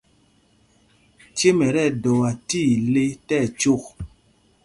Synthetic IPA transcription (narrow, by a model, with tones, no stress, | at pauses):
t͡ʃe˦mɛ˨ɾɛ˦˨dɔ˨wa˨ti˦˨le˦tɛ˦˨t͡ʃo˦˨k̚